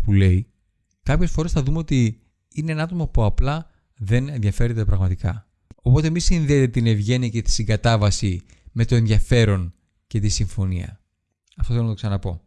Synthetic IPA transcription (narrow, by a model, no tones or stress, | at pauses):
pule̞i | kɐpçe̞sfo̞ɾe̞sθɐðumeo̞t̪i | ine̞enɐɐt̪o̞mɐpuɐplɐ | ðe̞nenðʝɐfe̞ɾet̪epɾɐɣmɐt̪ikɐ̰ | opo̞t̪e̞misinðeːt̪et̪ine̞vʝe̞niɐce̞t̪i̥siŋɡɐt̪ɐvɐsi | me̞t̪o̞e̞nðjɐfe̞ɾo̞n | ce̞t̪isiɱfo̞niɐ̰ | ɐft̪oθelonɐt̪o̞ksɐnɐpo̞